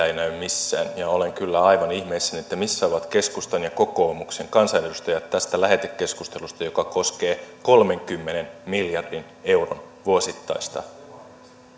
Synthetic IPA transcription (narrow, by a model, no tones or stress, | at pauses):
æinæymmisːæ̰ːnjɑo̞le̞ŋkylːæɑjʋɑnihmeisːænet̪ːæmisːæo̞ʋɑt̪ke̞skust̪onjɑko̞ko̞ːmukse̞ŋkɑnsɑjnedust̪ɑjɑt̪tːæst̪ælæɦe̞t̪ekːe̞skust̪e̞lust̪ɑjo̞kɑko̞ske̞ːko̞lme̞ŋkymːene̞nmiljɑrdin | e̞wro̰n | ʋuosit̪ːɑjst̪ɑ̰